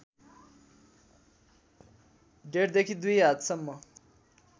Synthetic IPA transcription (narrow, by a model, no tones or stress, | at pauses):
ɖeɽd̪ekʰid̪ujat̪sʌmːʌ